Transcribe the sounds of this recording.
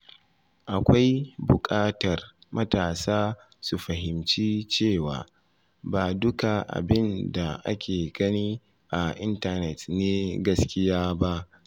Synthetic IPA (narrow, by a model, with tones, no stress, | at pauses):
ʔa˨kʷa˦jbʊ˨kʼaː˦tɐ˨r | mɐ˦taː˨saː˦ | su˨ɸɐ˨ɦɪ˨mt͡ʃiː˦t͡ʃeː˦˨waː˨ | baː˨dʊ˦ka˨ʔa̰˨bɪ˦nda˨ʔa̰˦kʲʰeː˨ɡ̥ɐ˦niː˦ | ʔa˨ʔɪ˦ntɐ˨nɛ˨tneː˦ɡɐ˦skʲɪ˦jaː˦ba˦ʔ